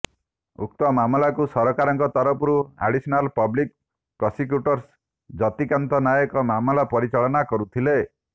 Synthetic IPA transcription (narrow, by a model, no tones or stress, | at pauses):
ṵkt̪ɔmamɔlakusɔɾɔkaɾɔŋkɔt̪ɔɾɔpuɾua̰ɖisinalpɔblik | pɾɔsik̬juʈɔɾs | d͡ʒɔt̪ikant̪ɔnajɔkɔmamɔlapɔɾit͡ʃalɔnakɔɾut̪ʰile